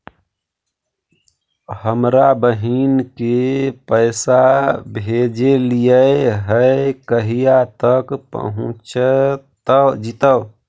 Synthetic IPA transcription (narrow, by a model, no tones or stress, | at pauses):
həmɾabəɦinkepəɪsabʱed͡ʒelijəeɦəekəɦijat̪əkpə̰ɦũt͡ʃt̪əd͡ʒit̪ə